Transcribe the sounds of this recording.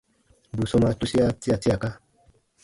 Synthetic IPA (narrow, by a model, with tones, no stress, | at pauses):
bu˨sɔ˧n˧a˧tu˦si˦a˦ti˦a˨ti˦a˨ka˦